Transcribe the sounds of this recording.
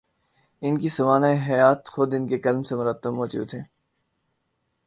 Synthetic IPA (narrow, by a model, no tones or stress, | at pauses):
ɪnkisɐmaːnaːeɦɐjaːt̪xʊd̪ɪnkekɐlmsemʊɾət̪ːəbmɔːd͡ʒṵːd̪ɦɛː